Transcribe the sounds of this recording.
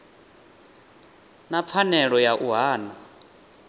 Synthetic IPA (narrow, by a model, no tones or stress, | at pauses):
nap̪fʰanɛɺɔjaʔuɦaːna